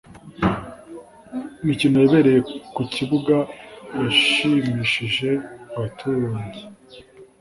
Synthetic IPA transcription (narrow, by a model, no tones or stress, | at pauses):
nicino̞jiβeɾe̞je̞kuciβuɡajiʃimiʃiʒe̞βatʰuɲzi